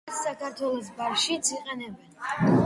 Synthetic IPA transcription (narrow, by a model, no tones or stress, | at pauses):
akʰaɾt̪ʰwɛlˠɔs̬bafʃit̪sʰiqʼɛnɛbɛn